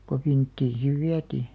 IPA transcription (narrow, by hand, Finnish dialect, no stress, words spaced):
ko ʋintːiːn siʋ ʋiætiː